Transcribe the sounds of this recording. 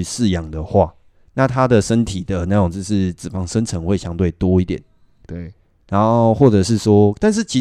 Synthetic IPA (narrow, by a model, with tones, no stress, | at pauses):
sɻ̩˥˨jɑ˨˩ŋd̪ə˨˩xwa˥˨ | na˥˨t̪ʰa˦d̪ə˨ʂə˦nt̪ʰi˨˩d̪ə˩na˥˧jo˨˩ŋt͡s̩˥˧ʂɻ̩˥˩t͡sɹ̩˨˩fɑ˧˥ŋʂə˦nt͡sʰə˧˦ŋxwe˥˩ɪɕjɑ˥ŋt̪we˥˩ɪt̪wɔ˥i˥t̪jɛ̰˨˩˦n˥ | na˨˦nxo˥˧ʊ˩ʊxwɔ˥˩ʈ͡ʂɤ˨˩ʂɻ̩˥˩swɔ˥t̪a˥˧nʂ̬ɻ̩˥˩t͡ɕʰi˧˥